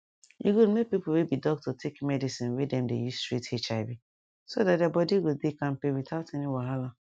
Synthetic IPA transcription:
jḭɡomek̚pipowebidɔk̚tʰɔtʰekmɛdisĩnwedɛ̃mdḛjustɹitet͡ʃaɪbi | sodatdabɔdiɡodekãnpewitaʊtɛniwaɦala

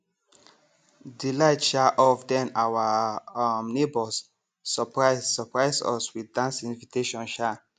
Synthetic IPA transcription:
dilaɪtʃaʔɔfdɛ̃nawa | mnebɔsː | ɔpɹasɔpɹaɪsɔ̰swiddãnsĩnvitʰeʃɔ̃nʃa

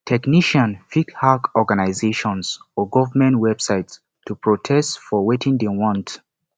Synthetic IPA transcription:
tʰɛkniʃãnfikhakɔɡanaɪzeʃɔ̃nsɔɡɔvəmɛ̃ntwɛbsaɪts | tːupʰɹotʰɛstfɔwetʰĩŋdewɔ̃nt

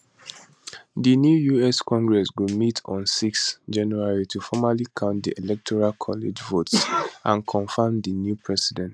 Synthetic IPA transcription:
dinjujuɛskɔ̃ŋɡɹɛsɡumitʰɔ̰̃nsiksd͡ʒãnjuaɹitʰufɔmalikʰãʊ̃nt̚d̪ielɛk̚tʰɔɹalkʰɔlid͡ʒvotsʔãnkʰɔ̃nfãmdinjupʰɹɛsidɛ̃nt

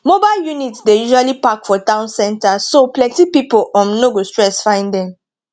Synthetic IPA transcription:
mobaɪljunitdejuʒalipakfɔtãʊ̃nsɛ̃ntasoplɛ̃tipipolʔɔ̃nnoɡostɹɛsfãɪ̃ndɛ̃m

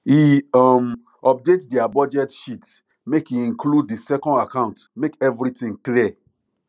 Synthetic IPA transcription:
iɔm | ɔp̚detdiabɔd͡ʒɛtʃit | mekiĩŋkʰlud̚disɛkɔ̃ndakãʊ̃ntmekɛvɾitĩŋkliɛ

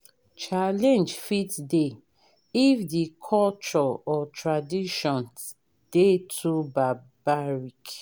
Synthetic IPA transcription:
t͡ʃalɛ̃nd͡ʒfitde | ifdikʰɔlt͡ʃɔɔtʰɹadiʃɔ̃n | d̥etʰuba | baɹik

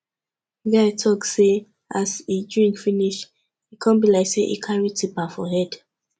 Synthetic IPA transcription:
ɡatʰɔkse | ʔasidɹĩŋkfiniʃ | ikʰãnbilaɪkseʔḭkʰãnɹitipafɔhɛd̥

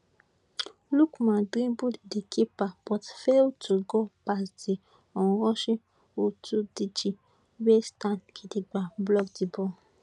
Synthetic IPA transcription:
lukmãdɾĩbuddekʰipapɔtfeotuɡɔpasti | ɔũɾɔ̃ʃe | otudid͡ʒi | westãnkʰidiɡ͡bablɔɡtibɔ

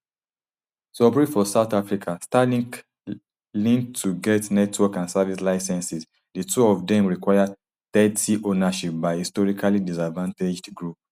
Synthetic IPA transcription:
sɔbɹifɔsaʊtafɹikʰastalĩŋk | lĩŋtʰːuɡɛtnɛtwɔkãnsavislaɪsɛ̃nsis | dətʰuɔvdɛ̃mɹikwaja | t̪ɛtiʔonaʃip̚baɪhistɔɹikʰalidisadvãnted͡ʒdɡɹup̚

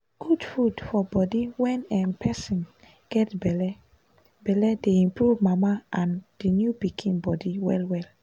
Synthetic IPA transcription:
ɡ̥udfudfɔbɔdiwɛ̃nɛmpʰɛsɔ̃n | ɡ̥ɛtbɛlɛ | bɛlɛdeĩmpɹuvmamaʔãnd̥injupikʰĩnbɔdiwɛ̰lwɛl

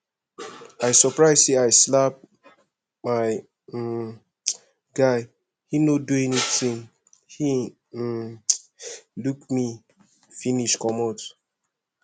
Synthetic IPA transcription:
aɪsɔpɹaɪzseaɪslap̚ | maɪ | ɡaɪ | hinoduɛnitĩŋ | hi | lukmi | finiʃkɔmɔt

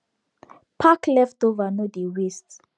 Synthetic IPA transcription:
pʰaklɛftovanodiwist

